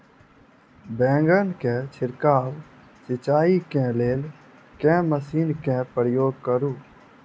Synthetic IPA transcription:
bɛ̃ːŋɡənkẽːt͡ʃʰɪɾkaːʋ | sɪt͡ʃaːiːkɛ̃ːleːl | kɛ̃ːməsiːnkɛ̃ːpəɾjoːɡ̚kəɾũː

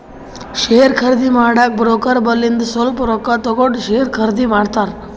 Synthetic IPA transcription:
ʃeɾkʰəɾd̪imaɽak̚bɾokəɾbəlːind̪solpɾokat̪ɔkoʈʃeɾkʰəɾd̪imaɽt̪aɾ

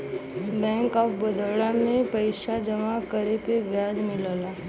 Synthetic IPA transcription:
bɛ̃ːŋkɔːpbəd̪əɭãmẽpəɪʃad͡ʒəmakəɾepeʋjaːd͡ʒmɪlla

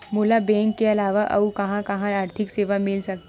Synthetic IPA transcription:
mʊlabɛ̃ːŋkːeɐlaːʋaʔɐ̰ukɐɦãkɐɦãaːɾt̪ʰɪkseːʋamɪlsɐk̚t̪

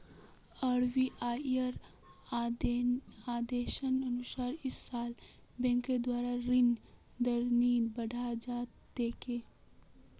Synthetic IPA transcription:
əɽʋiʔaːəɾ | aːd̪eːʃənənʊsaːɾɪsːaːl | bɛ̃ːŋked̪waːɾaɾɪn | d̪əɾniːd̪bəɽʱad͡ʒaːt̪ | d̪eːkeː

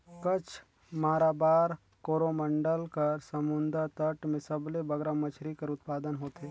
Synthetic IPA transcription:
kət͡ʃʰ | maːɾaːbaːɾ | koːɾoməɳɖəlkɐɾsɐmʊnd̪əɾt̪əʈmẽsəblebɐɡɾamət͡ʃʰɾikəɾʊt̪paːd̪ənɦoːt̪eː

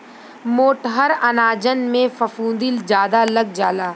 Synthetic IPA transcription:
moːʈɦəɾɐnaːd͡ʒənmẽfɐfũːnd̪ɪld͡ʒjaːd̪aləɡ̚d͡ʒaːlaː

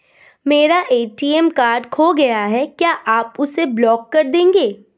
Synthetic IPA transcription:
meːɾaʔeːʈiːɛmkaːɾɖkʰoɡɐjaɦɛkjaːʔaːpʊseblɔːkːɐɾd̪ẽːŋɡeː

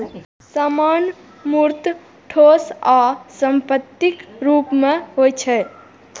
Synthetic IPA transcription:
saman | muɾt̪ | ʈʰosasəmpət̪ːikɾupmeɦojt͡ʃʰɛ

